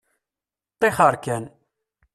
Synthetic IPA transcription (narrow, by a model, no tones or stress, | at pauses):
t̪ˤːeχəɾˤkæn